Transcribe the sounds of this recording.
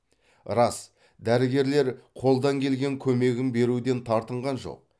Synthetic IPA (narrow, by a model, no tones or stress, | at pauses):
ɾɑs | d̪æɾɪɡʲe̞ɾle̞ɾqʰo̞lˠd̪ɑŋkʲʰe̞lɡʲe̞ŋkʲʰɵme̞ɡʲɪmbe̞ɾud̪e̞nt̪ʰɑɾt̪əɴʁɑnʒo̞̰q̚